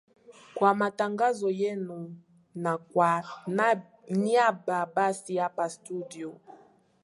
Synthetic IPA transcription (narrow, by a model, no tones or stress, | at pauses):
kwamataŋɡazɔjenu | na | n | niababasijapastudio